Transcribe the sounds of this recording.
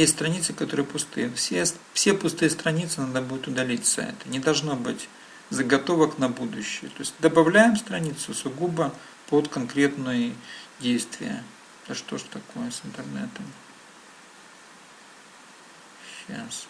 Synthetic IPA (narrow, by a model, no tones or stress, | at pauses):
jesʲtʲst̪ɾɐnʲit̪sɨkɐt̪o̞ɾɨjəpʊst̪ɨ̰jəfsʲesfsʲepʊst̪ɨjəst̪ɾɐnʲit̪sɨnad̪əbud̪ʊt̪ʊd̪ɐlʲitʲsɐ̰ɛ̰t̪ənʲɪd̪ɐlˠʐno̞bɨtʲ | zəɡɐt̪o̞vəknɐbud̪ʊɕːɪjət̪o̞ɪsʲtʲd̪əbɐvlʲæjɪmst̪ɾɐnʲit̪sʊsʊɡubə | pot̪kɐnkɾʲe̞t̪nɨjdʲejst̪vʲɪ̰jə̰ | t̪ɐʂt̪o̞ʐt̪ɐko̞jəsɨnt̪ɨrnɛ̰t̪əm | ɕa̰s